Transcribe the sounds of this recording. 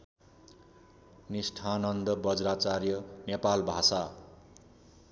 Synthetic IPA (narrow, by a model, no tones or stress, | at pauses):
nisʈʰanʌnd̪ʌbʌd͡zrat͡sarjʌnepalbʱasa